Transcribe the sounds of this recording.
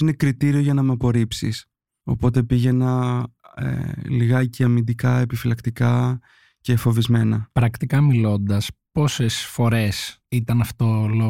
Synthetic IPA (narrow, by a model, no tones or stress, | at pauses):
ine̞kɾit̪iɾioʝɐnɐmeɐpo̞ɾipsḭs | o̞̰po̞t̪e̞piʝe̞nɐ | ḛliɣɐceɐmind̪ikɐe̞pifilɐkt̪ikɐ | ce̞fo̞vizme̞nɐpɾɐkt̪ikɐmilo̞nd̪ɐspo̞sesfo̞ɾe̞s | it̪ɐnɐft̪olo